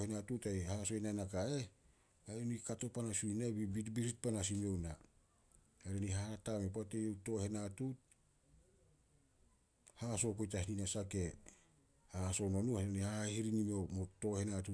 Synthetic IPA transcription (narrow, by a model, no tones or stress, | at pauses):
henatutajhaso̞enanakae̞ | aɾonikato̞panasunabibitbiɾit̚panas̬imio̞wna | aɾonihatamepoatejowto̞he̞natut̚ | haso̞ko̞jtahininasake̞ | haso̞nonuaɾenihahahiɾinimiomoto̞he̞natu